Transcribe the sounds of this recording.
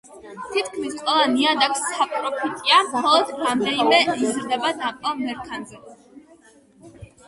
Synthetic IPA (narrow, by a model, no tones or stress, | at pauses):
t̪ʰit̪̚kʰmiskʼwɛlˠaniad̪aksapʰʼɾɔpʰit̪ʼiamχɔlˠɔd̪̥ɾamd̪ɛnimɛizɾd̪ɛbanapʼɔmɛɾkʰanzɛ